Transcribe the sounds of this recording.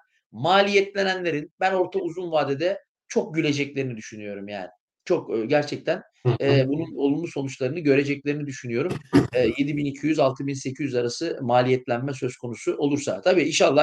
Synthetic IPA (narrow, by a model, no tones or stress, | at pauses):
maːlʲijɛt̪lʲenænlʲe̞ɾinbæno̞ɾt̪ʰauzunvaːd̪ed̪ɛ | t͡ʃʰo̞k̚ɟylʲe̞d͡ʒɛclʲe̞ɾinid̪yʃynyjo̞ɾumja̰ːnɪ | t͡ʃʰo̞kːɟæɾt͡ʃʰɛc̚t̪ʰæn | ɛbununo̞lˠunmuso̞nut͡ʃlˠaɾɯnɯɟø̞ɾe̞d͡ʒɛclʲe̞ɾinid̪yʃynyjo̞ɾumɛːje̞d̪ibinicʰijyzalˠt̪ʰɯbinse̞cʰyjyzaɾasɯmaːlʲijɛt̪lʲænmɛsø̞skʰo̞nusuʔo̞lˠuɾsa̰t̪ʰabiːinʃalˠːa